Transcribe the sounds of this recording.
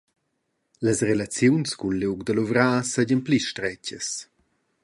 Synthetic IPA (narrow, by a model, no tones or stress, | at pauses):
ləsrelat͡sjunskunluwɡd̪əluvɾaːsɛɟənpliʃtɾɛcəs